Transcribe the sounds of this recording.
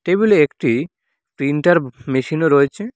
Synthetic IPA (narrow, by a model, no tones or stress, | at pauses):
ʈebuliekʈi | pɾiɳʈaɾmeʃinoɾɔet͡ɕʰe